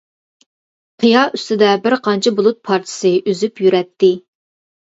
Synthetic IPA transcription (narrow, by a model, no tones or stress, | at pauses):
qʰɨjɑʔyst̪ɪd̪ɛbɪɾqʰɑnt͡ʃʰɪbolˠut̪̚pʰɑɾt̪ʰɪ̥sɨʔyzypjyɾɛt̪ʰːɪ